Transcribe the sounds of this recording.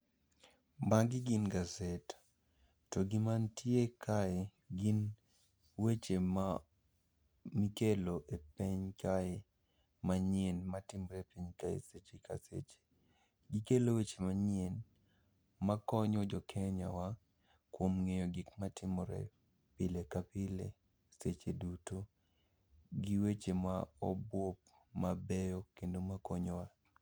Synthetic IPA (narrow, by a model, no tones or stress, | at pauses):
maɡɪɡinɡazetḁ | tɔɡimantʰiekʰae | ɡin | wet͡ʃema | mikeloʔepeɲkae | maɲenmatɪmɔɾɛpiɲkaḛset͡ʃekʰa̰sḛt͡ʃe̥ | ɡikelowet͡ʃemaɲɪen | makɔɲɔd͡ʒɔkʰɛɲa̰wa | kwomŋejɔɡɪkmatɪmɔɾɛ̰ | pɪlekapɪlḛ | set͡ʃeduto | ɡiwet͡ʃemaɔ̰bwop̚ | mabɛjɔkendomakɔɲɔwa